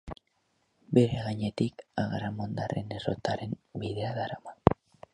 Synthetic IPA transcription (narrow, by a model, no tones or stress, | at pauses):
be̞ɾe̞ɣaɲe̞t̪ikaɣaɾamond̪arʔe̞nero̞̰t̪aɾe̞mbiðeaðaɾaman